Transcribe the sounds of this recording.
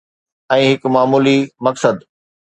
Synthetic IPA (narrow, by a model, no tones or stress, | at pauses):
ɛ̃ːɦɪkmaːmuːlimɐksəd̪